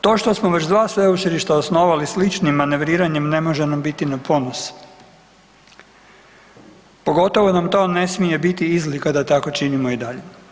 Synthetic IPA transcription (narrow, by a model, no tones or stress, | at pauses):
t̪o̞ːʃt̪o̞smoʋet͡ɕd̪ʋaːsʋe̞ut͡ʃiliʃt̪aosno̞ʋalislit͡ʃnimːane̞ʋɾiːɾaɲemne̞mo̞ʒenambit̪inapʰo̞nos | po̞ɡo̞t̪o̞ʋo̞namt̪o̞ːne̞smije̞bit̪iizlikad̪at̪ako̞t͡ʃinimoid̪aʎe